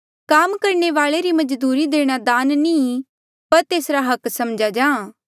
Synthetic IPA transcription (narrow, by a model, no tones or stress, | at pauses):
kaːmkɐɾɳ̃eʋaːɭeɾimɐd͡ʒd̪uːɾid̪eːɽ̃ad̪aːnnĩː | pɐɾt̪eːsɾaɦɐksɐmd͡ʒad͡ʒãː